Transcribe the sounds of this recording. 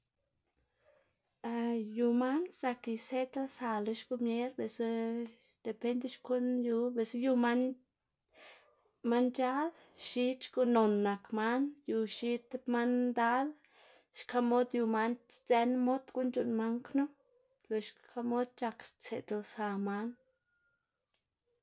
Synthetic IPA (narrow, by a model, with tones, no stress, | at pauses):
a˧ju˨ma˦nsa˧ki˨se˦t̪a˦sa˧le˧ʃku˧mje˦ɾbe˨s | d̪̥e˨pe˧nd̪e˦ʃko˦nju˧be˨sju˧ma˦n | ma˧nt͡ʃa˦d̪ | ʃi˧t͡ʃɡu˧no˨nːa˨kma˦nju˧ʃi˦t̪ma˦nd̪a˦l | ʃka˧mo˦d̪ju˧ma˧nt͡se˧nmo˦d̪ɡu˦nt͡ʃu˧nma˧ŋknu˦ | le˨ʃkʰa˧mo˦d̪̚t͡ʃa˧kt͡sḛ˨d̪lsa˨ma˧˦n